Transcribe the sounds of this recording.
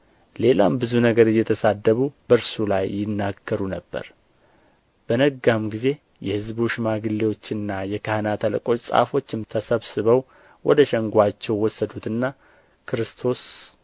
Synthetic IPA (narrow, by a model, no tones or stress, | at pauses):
le̞la̰mbɨzunəɡəɾɨjːɛt̪ʰəsad̪ːəβubəɾsulajːɪnːaɡːəɾunəbːə̰ɾ | b̥ənəɡːamɡize̞ | jɛhɨzbuʃmaɡɨlːewo̞t͡ʃːɨnːajɛkʰahnat̪ʰələ̰kʼo̞t͡ʃːsʼa̰fo̞t͡ʃːɪmt̪ʰəsəβsɨβəw | wɔ̰d̪əʃɛŋɡʷat͡ʃːɛwwɔsːəd̪ut̪ɨnːa | kʰɨɾɨst̪ʰo̞s